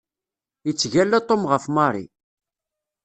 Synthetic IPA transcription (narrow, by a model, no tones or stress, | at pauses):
ət͡sːʝælːæt̪ˤːomʁəfmɑɾˤḭ